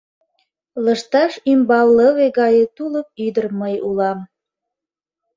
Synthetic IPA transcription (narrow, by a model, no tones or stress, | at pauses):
ləʃt̪ɑʃymbɑlləβeɣɑjet̪uləp̚yd̪ərməjulɑm